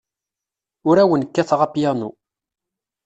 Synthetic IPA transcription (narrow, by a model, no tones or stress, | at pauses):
ʊɾæwənkːæθʁapjænu